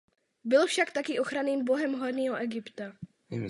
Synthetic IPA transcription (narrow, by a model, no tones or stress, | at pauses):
bɪlfʃakt̪akɪʔo̞xɾaniːmbo̞ɦɛmɦoɾniːɦoʔɛɡɪpt̪a